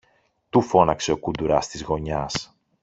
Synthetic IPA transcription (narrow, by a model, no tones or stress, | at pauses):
t̪ufo̞nɐkse̞o̞kud̪uɾɐst̪izɣo̞ɲɐs